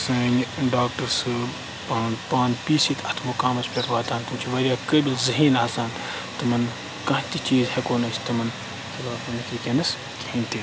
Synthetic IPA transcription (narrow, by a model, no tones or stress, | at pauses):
sɐːɲʲɖaːk̚ʈɐɾsɨ | paːnpaːnpiːsit̪ʰɐt̪ʰmukaːmɐspʲeʈʋaːt̪aːnt̪umt͡ʃʰiʋɐɾʲjaːkəːbilzɐɦiːnaːsaːn | t̪ɨmɐn | kɐ̃ɦt̪it͡ʃiːzhekoːnɐsʰʲt̪ɨmɐn | xɐlaːfɐnikikʲenɐs | kiĩːnt̪i